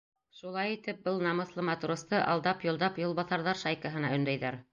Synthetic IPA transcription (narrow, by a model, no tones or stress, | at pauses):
ʃulˠɑjit̪ɘp̚bɤlˠnɑmɤ̆θlˠɤmɑt̪ɾost̪ɤʔɑ̰lˠd̪ɑpjŏlˠd̪ɑpjŏlˠβɑθɑɾðɑɾʃɑjkɑɦɤ̆nɑɵ̆nd̪æjðæɾ